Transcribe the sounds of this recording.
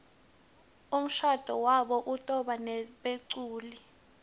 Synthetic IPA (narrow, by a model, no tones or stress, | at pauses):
um̩ʃad̥ʱɔwaɓɔʔutʼɔɓanɛɓeǀuːli